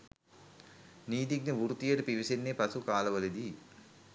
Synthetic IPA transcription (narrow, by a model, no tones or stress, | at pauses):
niːd̪iɡ̚neʋuɾut̪ijɐɾpiʋisenːepɐsukaːlɐʋɐlid̪i